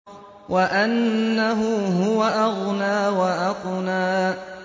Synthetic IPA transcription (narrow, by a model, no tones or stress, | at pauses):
wʔaʔanːaɦʊɦʊwaʔaɣnaːwaʔaqnaː